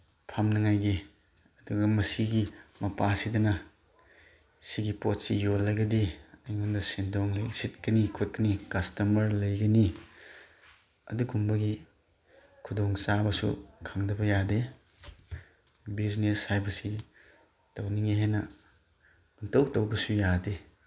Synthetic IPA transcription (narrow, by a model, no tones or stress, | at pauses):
pʰɐmnɐŋajɡi | ɐduɡɐmɐsiɡimɐpasidɐnɐ | siɡipot̚sijolːɐɡɐdiɐjŋondɐsendoŋlɐjsit̚kɐnikʰot̚kɐnikɐstɐmɐɾlɐjɡɐni | ɐ̰duɡumbɐɡi | kʰudoŋsabɐsṵkʰɐmdɐbɐjade | bizneshajbɐsi | tɐwniŋiɦenɐ | untowtɐwbɐsujade